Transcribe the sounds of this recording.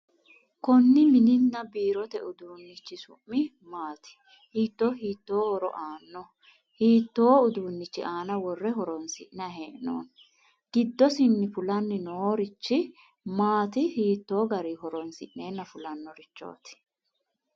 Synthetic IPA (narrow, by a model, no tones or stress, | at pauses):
kɔnːɪmɪnɪnːɐbiːɾɔt̪ɛʔʊd̪uːnːɪt͡ʃːɪsʊ̰mːɪ | maːt̪ɪ̥ | hiːt̪ːo̞ːhiːt̪ːoːhɔɾɔ̰ʔaːnːɔ | hiːt̪ːo̞ːʊd̪uːnːɪt͡ʃːɪʔaːnɐwɔrːɛɦɔɾɔnsɪ̰ʔnɐɦeːʔno̰ːn | ɡ̥ɪd̪ːɔsɪnːɪfʊlɐnːɪnoːɾɪt͡ʃːɪ | maːt̪ɪhiːt̪ːo̞ːɡɐɾiɦɔɾɔnsɪ̰ʔne̞ːnːɐfʊlɐnːɔɾɪt͡ʃːo̰ːt̪ɪ̥